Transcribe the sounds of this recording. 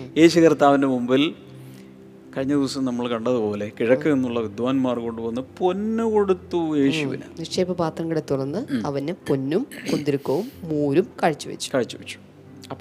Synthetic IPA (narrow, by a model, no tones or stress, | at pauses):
eːɕɐkɐrt̪aːʋɐndemumbil | kɐɻiɲːɐd̪iʋɐsɐmnɐmːɐɭkɐɳɖɐðɨpo̞ːle̞kiɻɐkːɨenːuɭːɐʋid̪ʋaːnmaːrko̞ɳɖɨʋɐnːɨponːɨko̞ɽut̪ːueːɕuʋḭnɐ̰nɐkʂejipːɐpaːt̪rɐŋɡɐɽet̪ːurɐnːɨɐʋɐnːeponːumond̪iɾukːɐʋumːuːɾumkɐɻit͡ɕːuʋḛt͡ɕːu̥kɐɻit͡ɕːuʋɐt͡ɕːu̥ | ɐpː